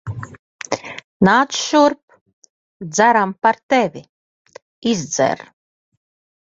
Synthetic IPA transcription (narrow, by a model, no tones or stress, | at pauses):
naːt̪sʃuɾp̚ | d̪zaɾampaɾt̪ɛvʲi | izd̪zɛ̰ɾ